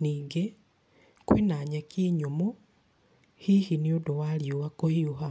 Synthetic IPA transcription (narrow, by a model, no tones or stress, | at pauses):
niɡe | kwinaɲakiːɲomu | hihiniodowaljowakohiuha